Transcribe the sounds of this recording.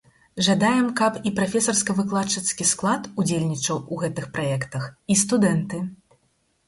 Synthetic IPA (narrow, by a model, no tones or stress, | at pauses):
ʐad̪ajɛmkɐpipɾafʲɛsɐrskɐvɨklˠat͡ʂɐt̪skʲisklˠat̪ud͡zʲelʲnʲit͡ʂɐwuɣɛt̪ɨxpɾajɛkt̪ɐxist̪ud̪ɛnt̪ɨ